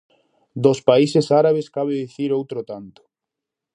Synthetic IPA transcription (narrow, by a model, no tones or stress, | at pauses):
d̪ospaisesaɾaβ̞eskaβeðiθiɾowt̪ɾot̪ant̪o̥